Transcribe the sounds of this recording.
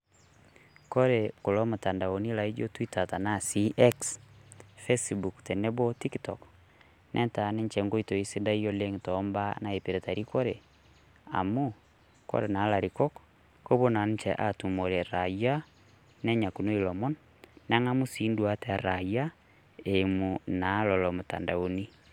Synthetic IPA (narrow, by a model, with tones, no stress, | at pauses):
ko˦ɾeko˨lo˦mo˨ta˨nda˨o˨ni˦la˨i˦d͡ʒo˦twi˦ta˨ta˨nasiʔɛks | fesbu˨kte˨ne˦bo˦ti˦ktɔk | nʔɛ̰˦nta˨nɛ˦ɲt͡ʃɛ˨ŋɡo˦ito˨i˦se˦da˦i˦o˦le˦ŋtɔmba˦na˨e˨pe˨ɾe˨ta˨ɾiko˦ɾe˨ | a̰˨mu˦ | ko̰˦ɾena˨˦la˨ɾikɔ˦k | ko˦βo˦na˨nt͡ʃɛʔatu˨mo˨ɾɛ˨ɾaja˦ | nɛ˦ɲa˨ku˨no˦ilɔ˨mɔ˦nː | a˦ŋa˦mu˦si˦ndwa˦tɛ˦ɾa˨ja˦ | emu˨na˨lɔlɔ˨mo˨ta̰˨nda˨o˨ni˦